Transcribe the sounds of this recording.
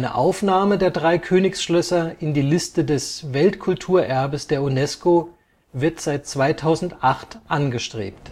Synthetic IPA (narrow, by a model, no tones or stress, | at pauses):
nə̰ʔaʊfnaːmədeːɐdʁaɪkʰøːnɪçsʃlœsɐɪndiːlɪstədɛsvɛltkʰʊltʰuːɐʔɛɐbəsd̥eːɐunɛsko | vɪɐtz̥aɪt̚t͡sv̥aɪtʰaʊzn̩tʔaχtʔanɡəʃtʁ̥ḛːp̚t